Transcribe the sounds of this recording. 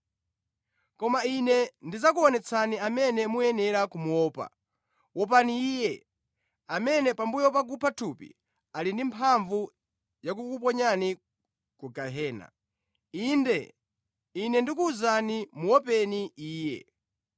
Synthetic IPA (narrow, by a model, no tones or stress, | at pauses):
kɔmainɛndizak̬uɔnɛt͡sʰaniamɛnɛmujɛnɛɾakumuɔːpa̰ | wɔp̬aniːjɛ | amɛnɛpambujɔp̬akupʰatʰupḭ | alindimpʰaɱvu | jak̬ukup̬ɔɲani | kuɡaɦɛːna̰ | indɛ | inɛndikuːzanimuwɔpɛniiːjɛ̰